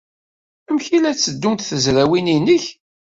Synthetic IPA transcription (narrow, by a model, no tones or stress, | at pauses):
æmçilæt͡sːəd̪ːunt̪θəzɾæwininəç